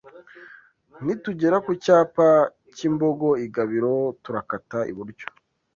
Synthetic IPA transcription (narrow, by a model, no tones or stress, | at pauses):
nituɟe̞ɾakucaːpa | cimboɡo̞iɡaβiɾotuɾakataḭβuɾɟo̥